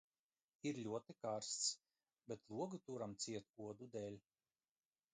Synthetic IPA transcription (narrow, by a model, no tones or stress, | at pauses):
iɾlʲuɔt̪ikaɾst̪s | bʲet̪lˠuɔɡut̪uɾamt̪sʲiɛt̪uɔd̪ud̪ɛːlʲ